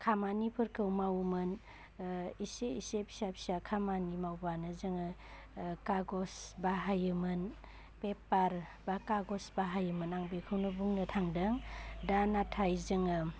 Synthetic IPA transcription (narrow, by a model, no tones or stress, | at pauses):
kʰamanipʰɯɾkʰɯwmawmɯn | iseisepi̥sap̚ʰsakʰamanimawbanɯzɯŋɯ | kaɡɔsbaɦajɯmɯn | pepaɾbakaɡɔsbaɦajɯmɯnaŋbekʰɯwnɯbuŋnɯtʰaŋdɯŋdanatʰajzɯŋɯ